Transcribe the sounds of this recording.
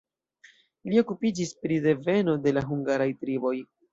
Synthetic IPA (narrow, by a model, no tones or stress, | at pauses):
lio̞kupid͡ʒispɾide̞ve̞no̞de̞laɦuŋɡaɾajtɾibo̞j